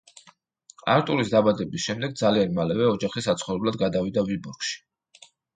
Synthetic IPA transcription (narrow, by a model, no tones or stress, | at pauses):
a̰ɾt̪ʼuɾisd̪abad̪ɛbisʃɛmd̪ɛɡ̚d̪zalianmalɛvɛɔd͡ʒaχisat̪sχɔvɾɛblˠad̪̚ɡad̪avid̪avibuɾɡʃi̥